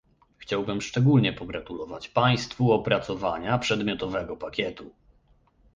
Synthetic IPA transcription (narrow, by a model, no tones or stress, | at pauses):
xt͡ɕawbɘmʂt͡ʂɛɡulɲɛpɔɡɾat̪ulɔvat͡ɕpaj̃st̪fuɔpɾat̪sɔvaɲapʂɛd̪mʲjɔt̪ɔvɛɡɔpakʲjɛt̪u